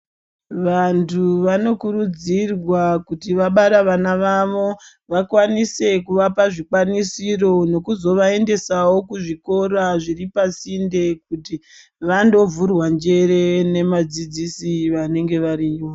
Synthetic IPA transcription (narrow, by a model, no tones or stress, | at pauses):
ʋantʰuʋano̞kuɾud͡zirwakutiʋaɓaɾaʋanaʋaʋo̞ | ʋakwanise̞kuʋapaʐikwanisiro̞no̞kuzo̞ʋae̞nde̞sawo̞kuʐiko̞ɾaʐiripasinde̞k̚uti | ʋando̞vurwand͡ʒe̞ɾe̞ne̞mad͡zid͡zisiʋane̞ŋɡe̞ʋaɾiːwo